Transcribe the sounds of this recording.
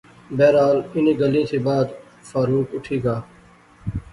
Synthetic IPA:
bɛːɾaːlɪnĩːɡɐlĩːseːbaːd̪ | faːɾuːkʊʈʰiːɡaː

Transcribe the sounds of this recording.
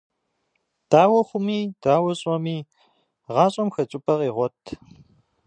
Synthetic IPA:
d̥aːwɐχʷʊmiːd̥aːwɐɕʼɔmiː | ʁɑːɕʼɐmxɐt͡ʃʼupʰʼɐqʼiːʁʷɔtʰ

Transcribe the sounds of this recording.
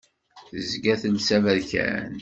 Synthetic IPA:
θəzɡæθənsævælçæ̰n

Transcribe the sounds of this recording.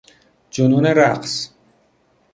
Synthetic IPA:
d͡ʒonuːneɾæqs

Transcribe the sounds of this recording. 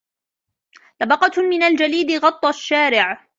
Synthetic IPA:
lɑbɑqɑmɪnald͡ʒaliːd̪ɪɣɑt̪ˤːɑʃːaːɾɪʕ

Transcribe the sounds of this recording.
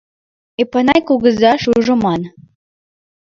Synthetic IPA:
epɑnɑjkuɣə̆zɑʃuʒə̆mɑn

